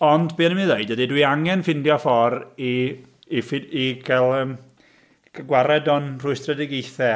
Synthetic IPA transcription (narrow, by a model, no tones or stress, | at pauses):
ɔndbeːnəmiðeɨdədidwiaŋɛnfɪndjɔfɔri | fɪiɡʰɛlˠəːm | ɡəɡwaɾɛdɔnr̥uɨstrədɛɡejθɛ